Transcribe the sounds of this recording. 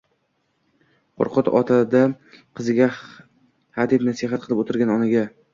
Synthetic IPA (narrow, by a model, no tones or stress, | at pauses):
qʰo̰ɾqʰʊt̪ɒ̰t̪ʰad̪a | qʰɨzɪɡʲa | had̪ɪpnasiɦat̪̚qʰɨlˠɪpot̪ʰɪɾɡʲanɒnɪɡʲa